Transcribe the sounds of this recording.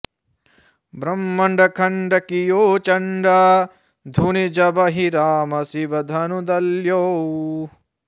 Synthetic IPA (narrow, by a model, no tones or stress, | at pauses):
bɾɐmːɐɳɖʱɐkʰɐɳɖɐkijoːt͡ʃɐɳɖaː | d̪ʱunid͡ʒɐbɐɦiɾaːmɐsiʋɐd̪ʱɐnud̪ɐljoː